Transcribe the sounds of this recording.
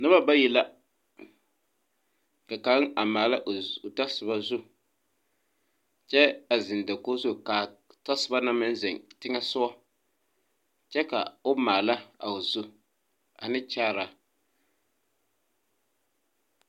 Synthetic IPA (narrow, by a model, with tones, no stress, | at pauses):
nɨ˦ba˦ba˦jɛ˨la˦ | ka˨ka˨˦ŋa˨maː˨la˦ʔo˨ta˦sɨ˨ba˦zu˦ | t͡ʃɛ˦a˨zɪ˨n˨dɛ˨ko˦zu˦ka˨ta˦sɨ˨ba˦na˦mɪ˦n˦zɪ˨ŋtɪ˦ŋa˦sʊ˦a˦ | t͡ʃɛ˦ka˨o˦maː˨la˦a̰˨ʊ˨zu˦ | a̰˨nɨ˦t͡ʃaː˦ɾa˨